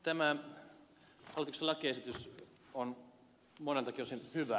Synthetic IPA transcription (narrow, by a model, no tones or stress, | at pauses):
t̪æmæ | ɑlt̪ukselɑkiesit̪ys | on | monelt̪ɑkiosinhyʋæ